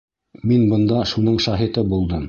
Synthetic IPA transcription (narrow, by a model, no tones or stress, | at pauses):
minbɤ̆nd̪ɑʃunɤɴʃɑɦit̪ɤbulˠd̪ɤm